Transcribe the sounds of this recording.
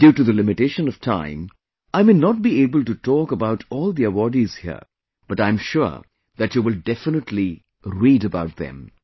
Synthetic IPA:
d̥juːʈuðəlɪmɪʈeɪʃə̃nɔv̥tʰã̰ɪ̃m | aɪmenɔʈ̚bieːbəltutɔːkəbaʊʈʰɔːlˠd̪iəwɔɹɖiz̥hḭə̰ | b̥ʌʈãɪ̃mʃʊ̰ɹ | ðætjuːʋɪlɖɛfənəʈʰli | ɾiːɾəbaʊʈ̚ðɛ̰̃m

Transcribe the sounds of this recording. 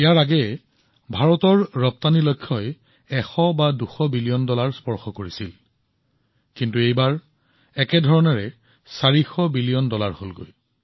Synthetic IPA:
ijaɹaɡɛ | bʱaɹɔtɔɹːɔp̚tanilojkʰːɔj | ɛxɔbaduxɔbilijɔndɔlaɹspɔɹxɔkoɹisil | kintuejbaɹ | ɛkɛdʱɔɹɔnɛɹɛ | saɹixɔbilijɔndɔlaɹholɡo̰j

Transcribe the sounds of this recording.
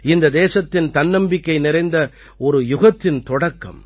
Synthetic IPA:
ɪnd̪ɐd̪eːsɐt̪ːɪnt̪ɐnːɐmbɪkːɐɪnɪɾɐɪnd̪ɐ | ɔɾɯjʊɣɐt̪ːɪnt̪ɔɽɐkːɐ̰m

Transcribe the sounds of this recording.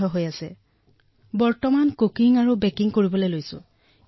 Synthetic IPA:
ɔɦojasɛ | bɔɹtɔmankokiŋaɹubɛkiŋkoɹibɔlejlojsʊ̰̃

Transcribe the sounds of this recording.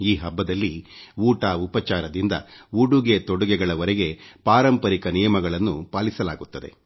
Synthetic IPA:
iːɦɐbːɐd̪ɐlːiuːʈaːupɐt͡ʃaːɾɐd̪ind̪ɐ̰uɽuɡet̪ɔɽuɡɛɡɐɭɐʋɐɾɛɡe̞paːɾɐmpɐɾikɐnijɐmɐɡɐɭɐnːupaːlisɐlaːɡut̪ːɐd̪e̞̰

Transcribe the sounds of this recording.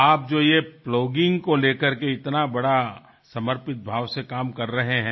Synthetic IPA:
aːp̚d͡ʒoːjeploːɡɪ̃ŋɡkoleːkəɾkeɪt̪nabɐɽa | sɐməɾpɪt̪̚bʱaːʋsekaːmkɐɾːɐɦeɦɛ̃ː

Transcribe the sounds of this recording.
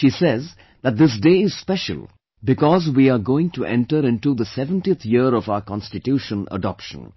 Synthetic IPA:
ʃiːsɛz | d̪æʈ̚d̪ɪs̬ɖeːɪz̥spɛʃə̰lˠ | bɪkɔzwiːaɾɡoːɪ̃ŋʈuʔɛ̰̃nʈəɾɪ̃nʈud̪əsɛʋə̃nʈiət̪ʰjiɾɔvaʊəkɑ̃nsʈɪʈjuːʃə̃nə̰ɖɔpʃə̰̃n

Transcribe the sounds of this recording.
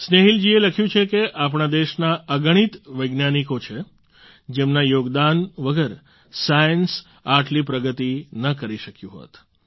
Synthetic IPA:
sneɦild͡ʒieləkʰjũt͡ʃʰekeʔap̬ɳ̃ad̪eʃnaəɡəɽ̃it̪ʋəjɡnanikot͡ʃʰe | d͡ʒemnajoɡd̪anʋəɡəɾ | sajəns | aʈlipɾəɡət̪inəkəɾiʃəkjũɦo̰t̪

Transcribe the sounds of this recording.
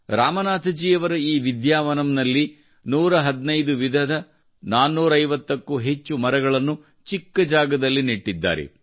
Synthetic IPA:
ɾaːmɐnaːt̪ʰɐd͡ʒiːjɐʋɐɾɐiːʋid̪jaːʋɐnɐmnɐlːi | nuːɾɐɦɐd̪nɐjd̪uʋid̪ʱɐd̪ɐ | naːnːuːɾɐːɐjʋɐt̪ːɐkːuɦe̞t͡ʃːumɐɾɐɡɐɭɐnːu | t͡ʃikːɐd͡ʒaːɡɐd̪ɐlːiniʈːid̪ːa̰ːɾɛ̰

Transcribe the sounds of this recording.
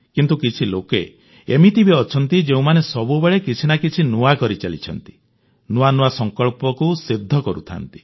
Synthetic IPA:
kint̪ukit͡ʃʰiloke | emit̪ʰibiɔt͡ʃʰɔnt̪id͡ʒeũmanesɔbubeɭekit͡ʃʰinakit͡ʃʰinuakɔɾit͡ʃalḭt͡ʃʰɔ̰nt̪i̥ | nuanuasɔŋkɔɭpɔkusid̪ʱːɔkɔɾṵt̪ʰa̰nt̪i̥

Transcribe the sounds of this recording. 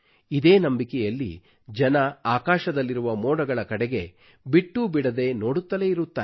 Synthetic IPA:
id̪e̞ːnɐmbikɛjɐlːḭ | d͡ʒɐnɐaːkaːʃɐd̪ɐlːiɾuʋɐmoːɽɐɡɐɭɐkɐɽɛɡe̞ | biʈːubiɽɐd̪e̞no̞ːɽut̪ːɐle̞iɾut̪ːaː

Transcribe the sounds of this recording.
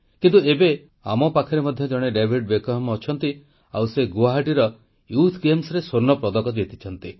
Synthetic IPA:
kint̪uebe | amɔpakʰɔɾemɔd̪ʱjɔd͡ʒɔɽ̃eɖebʱiɖ̚bekɔɦamɔt͡ʃʰɔnt̪i | awseɡuaɦaʈiɾɔ | jut̪ʰɡemsɔɾesoɾnːɔpɾɔd̪ɔkɔd͡ʒet̪i̥t͡ʃʰɔnt̪i

